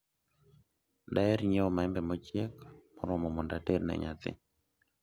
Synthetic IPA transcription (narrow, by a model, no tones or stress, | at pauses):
daɛɾɲeɔmaɛmbɛmɔt͡ʃjɛkmɔɾɔmɔmɔndateɾna̰ɲa̰t̪ɪ̰